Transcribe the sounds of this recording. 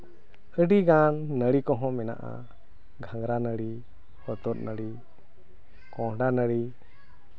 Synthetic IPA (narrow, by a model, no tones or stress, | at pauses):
əɖiɡanːəɽikɔɦɔ̃mɛna̰ʔa̰ | ɡʱãŋɡɾanəɽi | hɔt̪ɔt̪̚nəɽi | kɔ̃ɦɖanəɽi